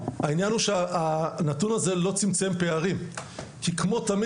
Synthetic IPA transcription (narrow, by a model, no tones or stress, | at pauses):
hainjanuʃeanatunaze̞lo̞t͡simt͡se̞mpe̞aʁimkikmo̞t̪am